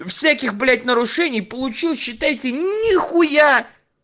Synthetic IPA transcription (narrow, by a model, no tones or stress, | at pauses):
fsʲækʲɪxblʲætʲnəɾʊʂɛnʲɪjpəlˠʊt͡ɕilˠɕːɪt̪ajɪtʲɪnʲɪxʊja